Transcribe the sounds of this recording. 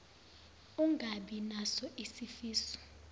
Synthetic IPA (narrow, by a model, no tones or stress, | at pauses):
uŋʱaɓinasɔʔisifiːsɔ̥